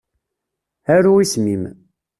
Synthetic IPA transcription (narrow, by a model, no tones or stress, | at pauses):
æɾuismim